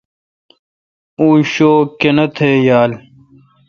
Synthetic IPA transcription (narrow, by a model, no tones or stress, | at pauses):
uːɕoːkenɐt̪ʰejaːl